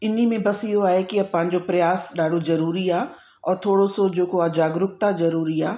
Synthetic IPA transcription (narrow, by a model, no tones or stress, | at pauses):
ɪn̤imẽbɐsɪɦoaːɦekɪɐpɐ̃ɦɪ̃ɲd͡ʑopɾɐjaːsɗaːɖʱozɐɾuːɾiaː | ɔːɾt̪ʰoːɽosod͡ʑoːkoad͡ʑaːɡɾʊkt̪azɐɾuːɾiaː